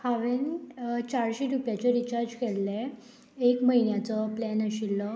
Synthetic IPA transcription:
haʋent͡ɕaɾɕiɾupjat͡ɕeɾit͡ɕaɾd͡ʑkʰeɽle | ekməinjat͡sɔplænəɕilːə

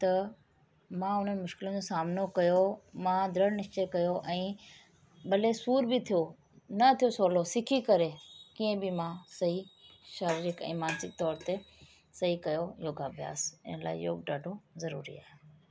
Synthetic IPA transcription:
t̪ɐ | mãʊn̤əmʊʃkɪlə̃d͡ʑosaːmnokɐjomãd̪ʱɾəɽnɪʃt͡ɕekɐjoʔɛ̃ː | ɓɐlesuːɾbɪit̪ʰijo | nɐt̪ʰijosoːlosɪkʰikɐɾekiːə̃bɪmãsɐɦiʃaːɾiɾɪkɛ̰̃ːmaːnsɪk̚t̪ɔːɾt̪e | sɐɦikɐjojoːɡabʱija̰ːsɪ̰nəla̰ːɪ̰jo̰ːɡ̚ɖaːɖʱozɐɾṵːɾḭa̰ːɦe

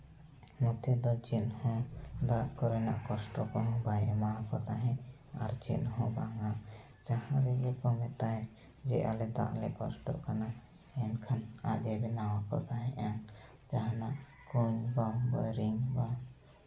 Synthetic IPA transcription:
nɔt̪ɛd̪ɔt͡ʃinhɔ̃d̪aʔkɔɾɛna̰ʔkɔsʈɔkɔɦɔ̃bajʔɛmaɦãkɔt̪aɦɛ̃ | a̰ɾt͡ʃḭnɦɔ̃baŋa | d͡ʒahãɾɛɡɔkɔmɛt̪aɦɛ̃ | d͡ʒɛʔa̰lɛd̪a̰ʔlɛkɔsʈɔ̰ʔkana | ɛnkʰana̰ɡɛbɛnawakɔ̰t̪aɦɛ̃ʔaŋ | d͡ʒaɦãnaʔ | kuɲbabɔjɾiŋba

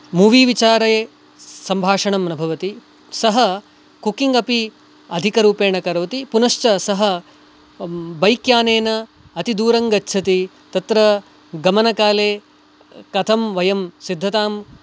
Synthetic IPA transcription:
muʋiːʋit͡ʃaːɾɐje | sɐmbʱaːʂɐɳɐmɐnɐbʱɐʋɐt̪i | sɐɦɐ | kukiŋɡɐpi | ɐd̪ʱikɐɾuːpeːɳɐkɐɾɐʋɐt̪ipunɐʃt͡ʃɐsɐɦɐ | bɐjkjaːneːnɐ | ɐt̪id̪uːɾɐŋɡɐtːʃʰɐt̪i | t̪ɐt̪ɾɐ | ɡɐmɐnɐkaːleː | kɐt̪ʰɐmʋɐjɐmsid̪ʱːɐt̪aːm

